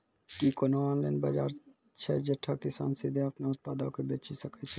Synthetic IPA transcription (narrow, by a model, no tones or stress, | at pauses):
kikonoɔːnlaːnba̰d͡ʒaːɾ | t͡ʃʰɛd͡ʒəʈʰakɪsa̰ːnsid̪ʱẽɐpnaʊt̪̚paːd̪akebeːt͡ʃisəkət͡ʃʰɛ